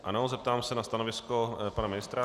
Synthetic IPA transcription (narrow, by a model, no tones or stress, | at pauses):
a̰nozɛp̚t̪aːmsɛnast̪anovɪskopanamɪnɪst̪ɾa